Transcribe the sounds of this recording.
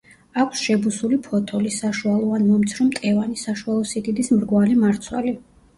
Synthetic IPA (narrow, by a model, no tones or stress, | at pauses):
akʷʰsʃɛbusulipʰɔt̪ʰɔlisaʃualˠɔvanmɔmt̪sʰɾɔmt̪ʼɛvanisaʃualˠɔsiɡ̪id̪ismɾɡwalimaɾt̪sʰwɛ̰li